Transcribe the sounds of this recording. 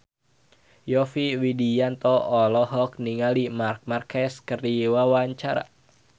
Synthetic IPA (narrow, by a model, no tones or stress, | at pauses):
jɔfiwidijant̪ɔlɔɦɔk̚niŋalimark̚markɛskərdiwawaɲt͡ʃaɾa̰